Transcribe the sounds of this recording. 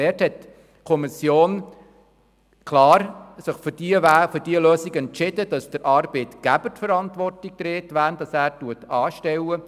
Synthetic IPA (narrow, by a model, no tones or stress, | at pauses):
ɛːthɛt | kʰɔmisjoːn | kʰlɑːɾsɪχfʏɾd̥iəʋæːfʏɾdiːəløːsiɡɛntt͡ʃɪdəd̥ɑsd̥əɾʔɑːɾbetɡ̥æb̥ətfəɾɑntʋɔrtik̚t̪ɾeːtʋæːɾnd̥ɑsæːɾtuətɑːʃtɛwə